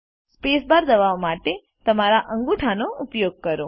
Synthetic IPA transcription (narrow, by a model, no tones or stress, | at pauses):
spesbaɾd̪əʋaʋmaʈe | t̪əmaɾaʔəŋɡuʈʰanoupjoɡ̚kəɾo